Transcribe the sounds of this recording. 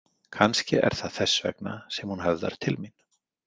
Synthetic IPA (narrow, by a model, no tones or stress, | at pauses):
kʰanscɪʔɛɾ̥θaðθɛsːvɛ̰kna̰sɛmhunɦœvða̰ɾ̥t̪ʰɪlmin